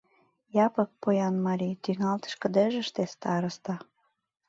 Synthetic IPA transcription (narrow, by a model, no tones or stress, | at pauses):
jɑpɤ̆k̚pojɑnmɑɾʲit̪yŋɑlt̪ə̥ʃkə̆d̪eʒəʃt̪est̪ɑɾə̆st̪ɑ